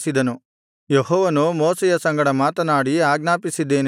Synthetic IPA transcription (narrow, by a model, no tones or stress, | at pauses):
sid̪ɐnu | jeɦɔːʋɐnumɔːsɛjɐsɐŋɡɐɽɐmaːt̪ɐnaːɽiaːɡnaːpisid̪ːe̞ːn